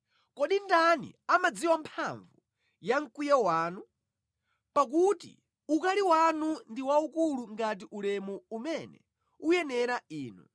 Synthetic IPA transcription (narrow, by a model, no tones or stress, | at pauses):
kɔɗindanḭamad͡ziwampʰaɱvu | jaŋ̩kwijɛwaːnu | pak̬utḭ | ukaliwanundiwaukuluŋɡat̬iʔulɛmɔumɛnɛ̰ | ujɛnɛɾaiːnṵ